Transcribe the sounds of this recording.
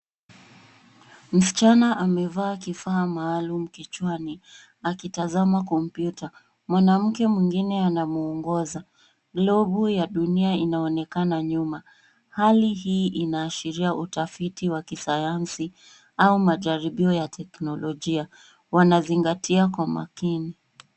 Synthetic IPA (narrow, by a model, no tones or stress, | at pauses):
m̩si̥t͡ʃanaʔamɛvaːkifaːmaːlum̩kit͡ʃwani | akitazamakɔm̩pjuta | mwanam̩kɛmwiŋɡinɛanamuɔŋɡɔza | ɡlɔɓujaɗuniainaɔnɛkanaɲuma | haliɦiːʔinaːʃiɾiaʔutafitiwakisajansi | aumaʄaɾiɓiɔjatʰɛknɔlɔʄia | wanaziŋɡatʰiakwama̰kini